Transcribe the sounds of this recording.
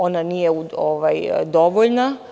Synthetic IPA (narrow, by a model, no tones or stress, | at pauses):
onanijeuoʋajd̪o̞ʋoʎna